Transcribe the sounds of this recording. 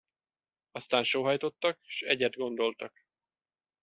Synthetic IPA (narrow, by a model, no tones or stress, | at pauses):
ɒst̪aːnʃoːɦɒjt̪o̞t̪ːɒkʃɛɟɛd̪ɡo̞nd̪o̞lt̪ɒk